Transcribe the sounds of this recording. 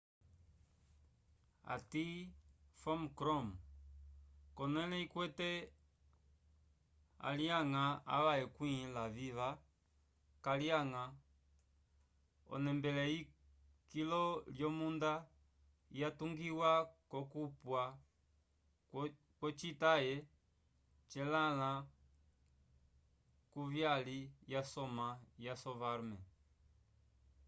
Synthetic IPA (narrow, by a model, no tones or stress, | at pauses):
a̰tifɔmkɾɔm | kɔnɛlɛikwɛtɛ | a̰liaŋaa̰βaɛkwĩlaviva | kaliaŋa | ɔ̰nɛmbɛlɛi | kilɔljɔmunda | jatuŋɡiwakɔkupwa | kwɔt͡ʃitajɛ | t͡ʃɛlala | kuvjalijasɔmajasɔvaɾmɛ